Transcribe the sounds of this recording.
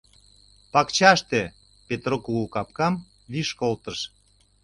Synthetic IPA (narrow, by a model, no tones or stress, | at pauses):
pɑkt͡ɕɑʃt̪e | pet̪rokuɣukɑp̚kɑm | βiʃkolt̪əʃ